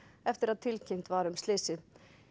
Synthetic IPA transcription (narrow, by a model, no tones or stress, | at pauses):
ɛft̪ɪɾaðt̪ʰɪlcʰɪjn̥t̪vaɾʏmst̪lɪsɪ